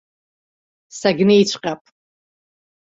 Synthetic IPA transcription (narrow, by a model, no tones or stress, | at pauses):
saɡʲnejt͡ʃʷʰʼqʲʼapʼ